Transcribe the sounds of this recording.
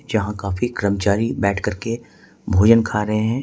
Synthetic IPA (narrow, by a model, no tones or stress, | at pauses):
d͡ʒɐɦãkaːfikɾəmt͡ʃaːɾibɛːʈʰkɐɾke | bʱoːd͡ʒənkʰaːɾɐɦeɦɛ̃ː